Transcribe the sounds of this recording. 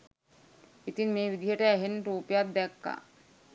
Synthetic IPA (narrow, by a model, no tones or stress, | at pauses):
it̪inmebid̪ʱiɦeʈeɛɦenʈupjad̪d̪ɛkːa̰